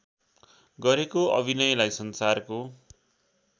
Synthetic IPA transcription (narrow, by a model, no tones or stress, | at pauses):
ɡʌɾekoʌ̰bʱinʌjʌlajsʌnsarko